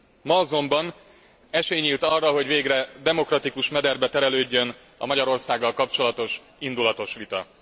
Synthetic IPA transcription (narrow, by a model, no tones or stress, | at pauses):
mɒɒzo̞mbɒn | ɛʃeːɲiːlt̪ɒrːɒɦo̞ɟveːɡrɛd̪ɛmo̞krɒt̪ikuʃmɛd̪ɛrbɛt̪ɛɾɛløːɟːø̞n | ɒ̰mɒɟɒɾo̞rsaːɡːɒlkɒp̚t͡ʃo̞lɒt̪o̞ʃ | ind̪ulɒt̪o̞ʃʋit̪ɒ̰